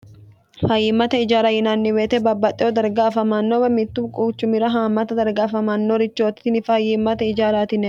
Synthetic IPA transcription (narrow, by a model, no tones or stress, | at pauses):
fɐjːɪmːɐt̪ɐɪd͡ʒaːɾajɪnaːnːɪweːt̪ɛbɐbːɐt̪ʼːɛod̪ɐɾɡaːfɐmanːoːwɐmɪt̪ːʊkʼuːt͡ʃːʊmɪɾɐɦaːmɐt̪ɐd̪ɐɾɡaːfɐmanːoɾɪt͡ʃːoːt̪ɪ̥t̪ɪnɪfɐjːɪmːɐt̪ɐɪd͡ʒaːɾaːt̪ɪnɛ